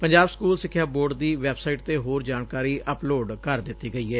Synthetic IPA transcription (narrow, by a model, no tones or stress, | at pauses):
pəɲd͡ʒaːbskuːlsɪkʰːjaːboːɾɖd̪iːʋɛːbsaːiːʈt̪eːɦoːɾd͡ʒaːnkaːɾiːʔəploːɖkəɾd̪ɪt̪ːiːɡəiːɛː